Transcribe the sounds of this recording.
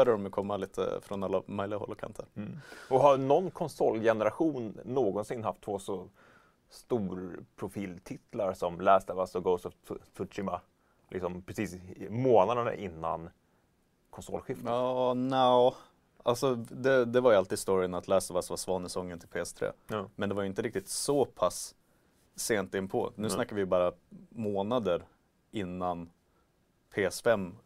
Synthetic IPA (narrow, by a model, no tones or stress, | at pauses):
bœd̪əɖɔmjɵkʰɔmːaliːt̪ʰə̰fɾɔnalːamœʏlɪɡahɔ̰lːəkʰa̰nt̪ʰəɾɔɦanɔnːkʰɔnsɔlːjɛnəɾaɧuːnːoːɡɔnsɪnːɦaft̪ʰːvoːsɔ | st̪uːɾpʰɾʊfiːlt̪ʰɪt̪ʰlaɾsɔmlɛːst̪əvasɔɡoʊsɔvt̪t̪ʰɵʂɪma | lʔɪ̰ksɔmpʰɾɛsiːsmoːnad̪əna̰ʔɪnːa̰n | kʰɔnsɔ̰lːɧɪfɑːnɛː | alsɔd̪ɛd̪ɛvaɾjəalt̪iːd̪st̪ɔɾɪənat̪ʰlɛːsavasvasvɑnːəsɔŋːənt̪ʰɪlpʰeːɛst̪ʰɾḛːmɛnd̪ɛvajʏɪnt̪əɾɪk̚t̪ɪt̪sɔpʰasː | eːnt̪ɪnːpʰɔ̰nʉ̟ːsnakːaɾvɪjbɑːɾamoːnad̪əɾ | ɪnːan | pʰeːɛsfɛmː